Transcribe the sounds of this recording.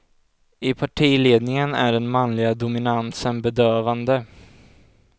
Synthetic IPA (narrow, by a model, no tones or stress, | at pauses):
ɪpʰaʈʰiːleːd̪nɪŋənæ̰ɖɛnmanlɪɡad̪ʊmɪnansənbɛd̪øːvand̪ə